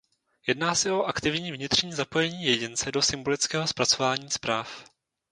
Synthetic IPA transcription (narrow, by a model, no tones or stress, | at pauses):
jɛdnaːsɛo̞ʔakt̪ɪvɲiːvɲɪt̪r̝̥ɲiːzapo̞jɛɲiːjɛɟɪnt͡sɛdo̞sɪmbo̞lɪt͡skɛːɦo̞spɾat͡so̞vaːɲiːspɾaːf